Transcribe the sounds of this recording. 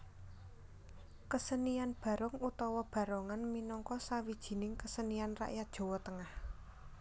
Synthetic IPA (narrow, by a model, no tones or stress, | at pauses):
kəsənianb̥ä̤ɾɔŋut̪ɔwɔb̥ä̤ɾɔŋanminɔŋkɔsawid̥ʒ̥i̤nɪŋkəsənianra̰ʔjad̥ʒ̥ɔ̤wɔt̪əŋah